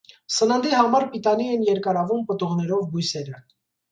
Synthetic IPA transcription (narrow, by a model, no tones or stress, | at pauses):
sənənd̪ihɑmɑɾpit̪ɑniɛnjɛɾkɑɾɑvumpət̪uʁnɛɾɔvbujsɛɾə